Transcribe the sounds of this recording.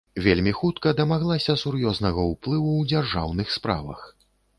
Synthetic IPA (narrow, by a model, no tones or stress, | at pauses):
vʲelʲmʲixut̪kɐd̪ɐmaɣlˠasʲɐsurjɔznɐɣɐuplˠɨwud͡zʲarʐa̰wnɨxspɾa̰vɐ̰x